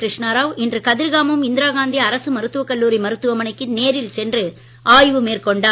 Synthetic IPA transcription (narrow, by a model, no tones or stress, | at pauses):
kɾɪʂnaːɾaːʋɛndrɯkɐðɪɾɣaːmɯmɪnd̪ɪɾaːɣaːnd̪iɐɾɐsɯmɐɾɯt̪ːɯʋɐkːɐɭːuːɾimɐɾɯt̪ːɯʋɐmɐɳɐɪkːɯneːɾɪlsɛndrɯ | ʔaːjʋɯmeːɾkɔɳɖaː